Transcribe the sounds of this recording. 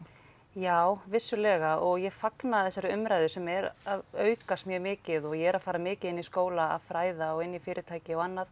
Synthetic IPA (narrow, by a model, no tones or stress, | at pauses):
jaːwvɪsːʏlɛːɣaʔɔɣjɛɣfaknaðθɛsːaɾʏmɾajðʏsɛmɛɾaðœːɥkast̪mjœːmɪːcɪðɔɣjɛɛɾaðfaːɾamɪːcɪðɪnːiskoːwlaa̰ðfɾaːjðaɔɣɪnːifɪːɾʔɪ̥t̪ʰaːjcɪaɣanːað